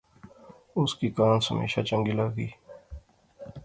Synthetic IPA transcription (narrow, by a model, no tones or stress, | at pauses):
ʊskiːkaːnsəmḛːʃa̰ːt͡ʃə̃ŋɡiːlaːɡiː